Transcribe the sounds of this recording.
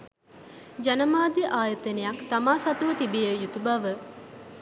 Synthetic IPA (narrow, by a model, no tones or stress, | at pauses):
d͡ʒanəmaːd̪iʔaːjət̪ənejakt̪amaːsɐt̪uʋət̪ibijəjut̪ubaʋə